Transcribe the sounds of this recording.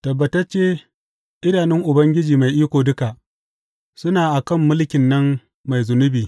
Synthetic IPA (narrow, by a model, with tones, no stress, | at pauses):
tɐ˨bːɐ˨tɐ˦rt͡ʃeː˦ | ʔɪ˦naː˨nɪ˦ŋʔʊ˨bɐ˦ŋɡʲɪ˦d͡ʒiː˨ma˨jʔiː˦kʷoː˨dʊ˦ka˨ʔ | sʊ˦naː˨ʔa˨kɐ˦mːʊ˦lkʲɪ˨nːɐ˦mː | a˨jzʊ˨nʊ˦biː˨